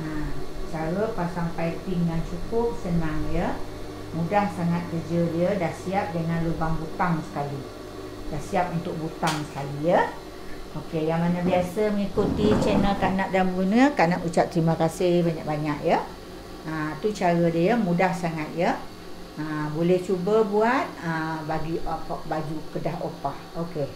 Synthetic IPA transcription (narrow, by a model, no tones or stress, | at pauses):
at͡ʃaɾəpasaŋfajt̪ɪŋjaŋt͡ʃukʊp̚sənaŋjə | mudahsaŋat̪̚kərd͡ʒədiədahsiap̚dəŋãnlubaŋbut̪aŋsə̥kali | dahsiap̚unt̪ʊk̚but̪aŋsə̥kalijə | ʔokejaŋmanəbiasəməŋikut̪it͡ʃɛnəlkaʔnaʔ̚danmbəɡunəkanaʔut͡ʃap̚t̪əɾiməkasɪhbaɲak̚baɲak̚jə | ət̪ut͡ʃaɾədiəmudahsaŋat̪̚jə | əbolɛht͡ʃubəbuat̪̚əbaɡipbad͡ʒukədahopahoke